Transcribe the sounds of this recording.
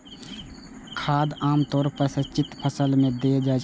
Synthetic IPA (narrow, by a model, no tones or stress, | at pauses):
kʰaːd̪aːmt̪ɔːɾpəɾsət͡ʃɪt̪pʰəsəlmẽd̪ed͡ʒaː